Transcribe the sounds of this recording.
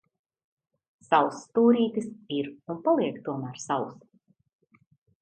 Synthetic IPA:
sawst̪uːɾiːt̪isiɾunpalˠiɛkt̪uɔmæːɾsaws

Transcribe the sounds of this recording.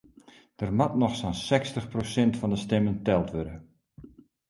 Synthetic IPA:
d̥ərmatnɔxsɔnsɛkstəxprosɛntfɔndəstɛməntɛlˠtʋødə

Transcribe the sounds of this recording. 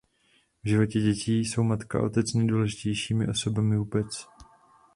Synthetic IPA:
vʒɪvo̞cɛɟɛciːso̞wmat̪ka̰ʔo̞̰t̪ɛt͡snɛjduːlɛʒɪcɛjʃiːmɪ̰ʔo̞so̞bamɪvuːbɛt͡s

